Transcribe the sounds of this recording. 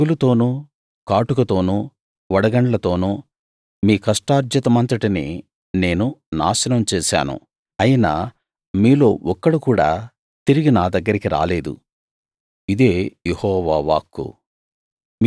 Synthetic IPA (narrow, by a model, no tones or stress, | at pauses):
ulut̪o̞ːnuː | kaːʈukɐt̪o̞ːnuː | ʋɐɽɐɡɐɳlɐt̪o̞ːnuː | miːkɐʂʈaːɾd͡ʒjɐt̪ɐmɐnt̪ɐʈinḭ | ne̞ːnuna̰ːʃɐnɐmt͡ʃɛːʃa̰ːnṵ | ɐjinaː | miːlo̞ːʔɔkːɐɽukuːɽa̰ː | t̪iɾiɡinaːd̪ɐɡːɐɾikiɾa̰ːle̞ːd̪ṵ | id̪eːjehɔːʋaːʋa̰ːkːṵ